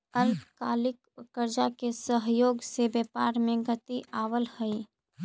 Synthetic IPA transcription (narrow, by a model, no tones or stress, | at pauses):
əlpkaːlɪkː | əɾd͡ʒakesəɦjoːɡsebeːpaːɾmẽɡət̪iʔaːwəlhəi